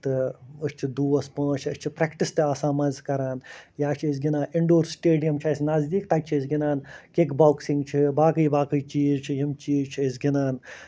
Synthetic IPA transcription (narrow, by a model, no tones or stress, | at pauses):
t̪ɨɨst͡ʃʰid̪uːɐspɐ̃ːt͡ʃʰɐst͡ʃʰipɾekʈist̪eaːsaːmɐzʲkɐɾaːnjaːt͡ʃʰis̬ɡʲinaːniɳɖoːɾsʈeːɖijɐmt͡ʃʰɐsʲnɐzd̪iːk̚t̪ɐt͡ʃʰiəsɡʲinaːnkekbaːwksĩŋɡt͡ʃʰibaːkɨjbaːkɨjt͡ʃiːzt͡ʃʰiɦimt͡ʃiːzt͡ʃʰiəsɡinaːn